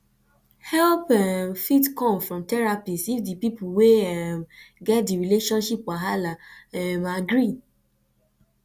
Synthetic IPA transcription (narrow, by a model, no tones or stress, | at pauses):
hɛlpɛmfitkɔ̃mfɹɔ̃mtɛɹapisifdipipuweɛmɡɛt̚diɹileʃɔ̃nʃipwaɦalaɛmaɡɹi